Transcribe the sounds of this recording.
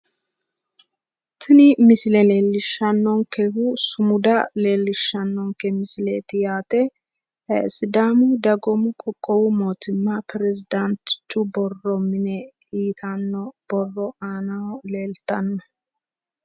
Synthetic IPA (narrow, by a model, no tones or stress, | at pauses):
t̪ʰɪnɪmɪsɪlɛleːlːɪʃːɐnːɔŋkɛhusʊmʊd̪ɐle̞ːlːɪʃːɐnːɔŋkɛmɪslḛːt̪ɪjaːt̪ɛ | ɛsɪd̪amud̪ɐɡɔmʊkʼɔkʼːɔwʊmoːt̪ɪmːɐpɪɾɛzɪd̪ɐnt̪t͡ʃːʊbɔrːɔmɪnɛ | iːt̪ʰɐnːɔb̥ɔrːɔʔaːnɐwleːlt̪ɐnːɐ